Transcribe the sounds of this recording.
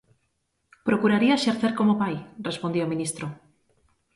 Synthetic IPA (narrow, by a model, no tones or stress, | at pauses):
pɾokuɾaɾiaʃeɾθeɾkomopajrespond̪iomĩnist̪ɾo